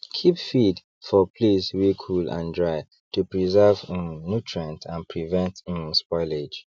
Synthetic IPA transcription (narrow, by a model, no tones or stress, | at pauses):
kʰipfid | fɔpʰliswikʰulã̰ndɹaɪ | tupɹizɛvnutʰɹãntʰãnpʰɹivɛ̃ntĩnspɔɪled͡ʒ